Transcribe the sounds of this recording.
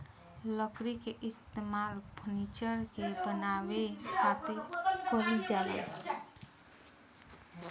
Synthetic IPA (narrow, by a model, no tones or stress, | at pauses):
ləkɾikeʔist̪emalpʰunit͡ʃəɾkebənawesat̪ekoɾid͡ʒalḛ